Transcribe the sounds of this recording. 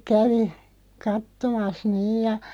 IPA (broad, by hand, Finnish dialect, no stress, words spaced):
kæʋi kɑtːomɑs niːj jɑ